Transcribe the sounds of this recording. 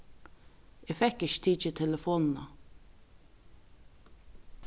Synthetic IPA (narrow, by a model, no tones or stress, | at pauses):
ɛfɛkɪçt̪ʰiːt͡ʃɛt̪ʰɛləfoːnn̩ɑ̰